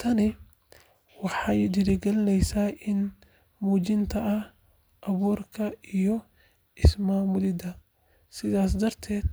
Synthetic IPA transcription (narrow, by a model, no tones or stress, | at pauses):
t̪ʰɐnɪ | wɑħɑjd̪ɪɾɪɡɐlɪnɛjsaːʔɪn | muːt͡ʃɪnt̪ʰɐɐh | ʔɐβuːrkʰɐijɔ | ɪsmaːmʊðɪd̪ɐ | sɪðaːsd̪ɐrt̪ʰɛːd̪̚